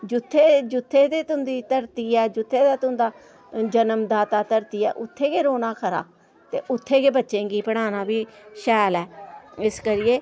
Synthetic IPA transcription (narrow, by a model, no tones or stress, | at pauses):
d͡ʒʊt̪ʰːeːd͡ʒʊt̪ʰːeːd̪eːt̪ʊ̃nd̪iːt̪əɾt̪iːɛːd͡ʒʊt̪ʰːeːd̪aːt̪ʊ̃nd̪aː | d͡ʒənəmd̪aːt̪aːt̪əɾt̪iːɛ̰ːʔʊt̪ʰːeːkeːɾoːnaːkʰəɾa̰ː | t̪eːʔʊt̪ʰːeːɡeːbətːʃẽːɡiːpəɽ̃aːnaːbiːʃɛːlɛːɪskəɾɪjeː